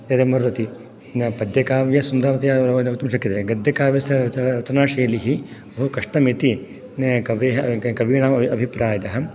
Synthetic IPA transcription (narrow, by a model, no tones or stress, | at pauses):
j̪ɐt̪emɐɾd̪ɐt̪i | npɐd̪jɐkaːʋjɐsund̪ɐɾɐt̪ɐjaɾɐkt̪ːɐmʃɐkːit̪eːɡɐd̪jɐkaːʋjɐsɐt̪ɾɐt̪ɐnaːʃeːliɦibʱoukɐʂʈɐmit̪i | nkɐʋeɦɐkɐʋiːɳaːmɐɐbʱipɾaːjɐɦɐm